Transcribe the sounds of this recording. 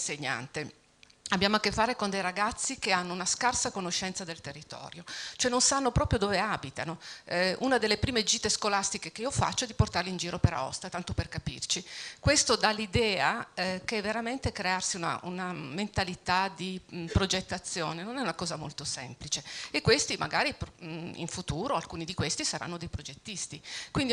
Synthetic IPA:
seɲːa̰nt̪e | abjaːmoakːefːaːɾekond̪ejɾaɡat̪sːikeanːounaskarsakonoʃːɛnt̪sad̪elt̪erːit̪ɔ̰ːɾjot͡ʃoɛnonsanːopɾɔːpɾjod̪oːveabit̪anoʔunad̪elːepɾiːmed͡ʒiːt̪eskolast̪ikekeiofa̰t͡ʃːoɛd̪iport̪arleind͡ʒiːɾopeɾa̰ɔ̰st̪at̪ant̪operkapḭrt͡ʃikwest̪od̪alːid̪ɛːaɛkɛvːeɾament̪ekɾearsiuna̰unament̪alit̪ad̪ipɾod͡ʒet̪ːat̪sːjoːnenonɛunakɔːzamo̰lt̪osɛ̰mplit͡ʃeekːwest̪imʔa̰ɡaːɾipḭɱfut̪uːɾoalkuːnid̪ikwest̪isaɾa̰nːod̪ejpɾod͡ʒet̪ːist̪ikwind̪i

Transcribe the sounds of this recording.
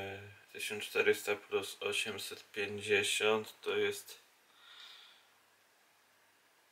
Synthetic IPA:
d̪ɛɕɔnt͡ʂt̪ɛɾɪst̪aplʲusɔɕɛmsɛt̪pʲjɛɲd͡ʑɛɕɔnt̪ːɔjɛst̪

